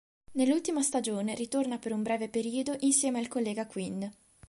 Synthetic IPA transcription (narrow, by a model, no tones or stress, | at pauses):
nelːult̪imast̪ad͡ʒoːnerit̪ornapeɾumbɾɛːvepeɾiːod̪oʔinsjɛːmealkolːɛːɡakwin